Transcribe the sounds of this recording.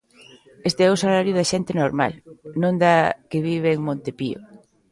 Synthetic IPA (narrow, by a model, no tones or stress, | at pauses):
est̪eɛʊsalaɾjʊðɐʃɛnt̪ɪnoɾma̰lnõnd̪akeβiβeːŋmõnt̪epḭo̰